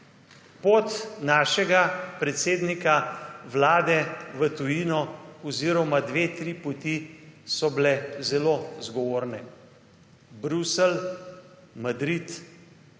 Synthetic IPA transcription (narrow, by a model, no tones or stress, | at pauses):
pot̪naːʃɛɡapɾɛt̪seːd̪nikaʋlaːd̪ɛʋət̪ujinɔɔziːɾɔmad̪ʋeːt̪ɾipɔt̪isɔblɛzɛlozɡɔʋoːɾnɛ | bɾusɛl | mad̪ɾit̪